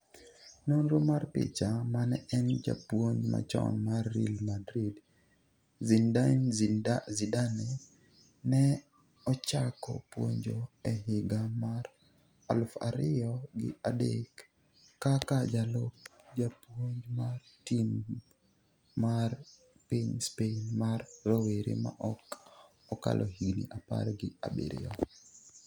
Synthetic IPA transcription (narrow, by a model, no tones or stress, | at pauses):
nonɾomarpɪ̰t͡ʃamanɛɛnd͡ʒa̰pwoɲd͡ʒma̰t͡ʃɔ̰nmarːḭlmadɾid | zin | zidanɛ | nɛ | ɔt͡ʃakɔ̰pwo̰ɲd͡ʒoɛhɪɡamar | a̰lfa̰ɾɪɔɡɪ̰adekː | akad͡ʒalop̚d͡ʒapwoɲd͡ʒmartim | ar | piɲspenmarːoweɾḭma̰ʔɔk | ɔka̰lʔɔhiɡnḭʔapa̰ɾɡɪa̰bḛɾɪ̰ɔ